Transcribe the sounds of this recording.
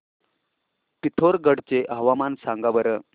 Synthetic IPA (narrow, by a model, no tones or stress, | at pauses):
pit̪ʰoɾɡəɽt͡seʔaɦʋamansaŋɡabəɾə